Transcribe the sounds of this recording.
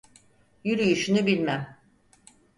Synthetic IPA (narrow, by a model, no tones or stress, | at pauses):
jyɾyjyʃynybilʲmæm